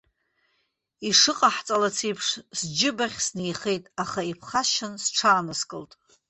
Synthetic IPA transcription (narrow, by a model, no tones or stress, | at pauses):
iʂɨqʼaħt͡sʼalat͡sʰijpʰʂsd͡ʒɪbaχʲsnejχe̞jtʼaχaipʰχaʃɪnsʈ͡ʂʰaːnɨskʼɨltʼ